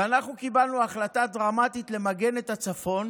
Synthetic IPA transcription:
anaχnukibalnuaχlat̪adʁamat̪it̪le̞maɡe̞ne̞t̪at͡safo̞n

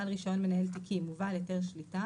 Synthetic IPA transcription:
alʁiʃao̞nme̞nae̞lt̪̬ikʰimuvaljote̞ʁʃlita

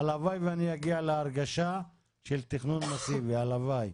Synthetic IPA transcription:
alavajveanijaɡialeaʁɡaʃa | ʃelt̪iχnunmasivealavaj

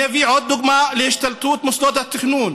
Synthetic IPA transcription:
æviːʕod̪ːʊɡmaːʔleʃt̪alt̪uːt̪mʊsd̪ot̪at̪ːɪxnuːn

